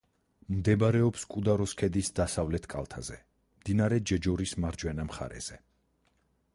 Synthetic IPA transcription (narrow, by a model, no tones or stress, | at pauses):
md̪ɛbɾɛɔpskʼud̪aɾɔskʰɛd̪isd̪asavlɛt̪ʰkʼa̰lˠt̪ʰa̰z̥ɛ | md̪inaɾɛd͡ʒɛd͡ʒɔɾismaɾd͡ʒwɛnamχa̰ɾɛ̰z̥ɛ